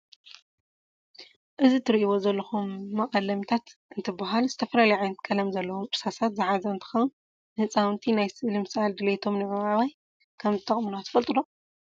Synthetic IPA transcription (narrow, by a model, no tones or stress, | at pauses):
ʔɨzit̪ʰɨɾiʔiwo̞zɐlːɐxumːɐχʼɐlɐmt̪ʰat̪ʔɨnt̪ʰɨbaɦalzɨt̪ʰɐfɐlalɐjʕajnɐt̪̚kʰɐlɐmzɐlːɐwomɨɾsasat̪zɨħazɐɨnt̪ʰɨ̥xɐwɨn | nɨhɨt͡sʼawɨnt̪ʰinajsɨʔlɨmsald̪ɨlet̪ʰo̞mnɨmɐβaβaj | kʰɐmzɨt̪ʼɐχʼmɨnoat̪ʰɨ̥fɐlt̪ʼud̪o